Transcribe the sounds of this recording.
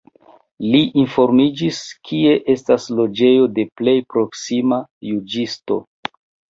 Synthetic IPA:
liʔinfo̞ɾmid͡ʒiskʰie̞ʔe̞staslo̞d͡ʒe̞jo̞de̞ple̞jpɾo̞ksimajud͡ʒisto̞̰

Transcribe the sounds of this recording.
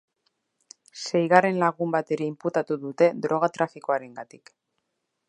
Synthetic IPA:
se̞jɣare̞nlaɣumbat̪e̞ɾe̞imput̪at̪uðut̪e̞d̪ɾo̞ɣ̞at̪ɾafiko̞aɾe̞ŋɡat̪ik

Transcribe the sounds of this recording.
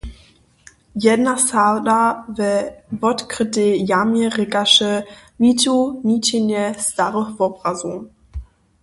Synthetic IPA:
jɛdnasadavɛvɔtkʁətejamjɛʁɪkaʃəviːtuniːtenjəstaʁəxvɔbʁazum

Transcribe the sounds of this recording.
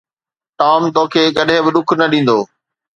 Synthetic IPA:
ʈaːmt̪õːkʰeːkɐɗɦɪ̃bɪɗʊkʰnɐɗĩːn̆d̪oː

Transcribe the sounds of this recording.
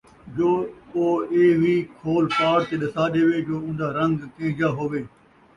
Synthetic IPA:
d͡ʒoːoːeːʋiːkʰoːlpaːɽt̪eːɗɐsaːɗeːʋeːd͡ʒoːʊ̃nd̪aːɾə̃ŋɡkẽːd͡ʒaːɦoːʋeː

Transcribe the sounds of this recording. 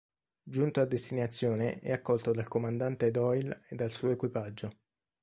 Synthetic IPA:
d͡ʒunt̪oad̪ːest̪iɲat̪sːjoːneʔɛ̰akːɔlt̪od̪alkomand̪ant̪ed̪ɔjled̪ːalsuːoekwipad͡ʒːo

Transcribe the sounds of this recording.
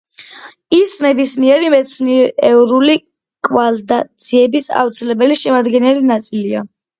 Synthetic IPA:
isnɛbismiɛɾimɛt̪sʰniɾɛvɾuli | kʼvald̪at̪sʰiɛbisa̰ft̪sʰilɛbɛliʃɛmad̪ɡɛnɛlinat̪sʼilia

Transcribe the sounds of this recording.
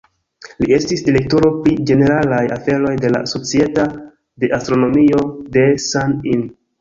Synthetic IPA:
lie̞stisdiɾe̞k̚toɾo̞pɾid͡ʒe̞ne̞ɾalajafe̞ɾo̞jde̞la̰so̞t͡sie̞ta | de̞ʔastɾo̞no̞mio̞de̞sanin

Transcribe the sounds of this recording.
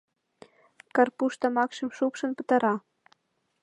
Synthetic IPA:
kɑrpuʃt̪ɑmɑkʃɤ̆mʃupʃɤ̆npə̆t̪ɑɾɑ

